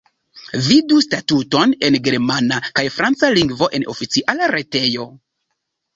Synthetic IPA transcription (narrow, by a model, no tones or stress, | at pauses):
vidustatuto̞ne̞nɡe̞ɾmanakajfɾant͡saliŋɡvo̞ʔe̞no̞fit͡siʔalaɾe̞te̞jo̞